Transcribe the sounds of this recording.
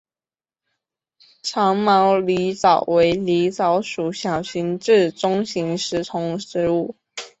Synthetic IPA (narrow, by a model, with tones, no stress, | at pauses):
ʈ͡ʂʰɑ˧˥ŋmɑ˧˥ʊli˧˥t͡sɑ˨˩ʊwe˧˥ɪli˧˥t͡sɑ˧˥ʊʂu˨˩˦ɕjɑ˨˩ʊɕi˧˥nʈ͡ʂɻ̩˥˩ʈ͡ʂʊ˥ŋɕi˧˥ŋʂɻ̩˧˥t͡sʰʊ˧˥ŋʂɻ̩˧˥˦u˥˩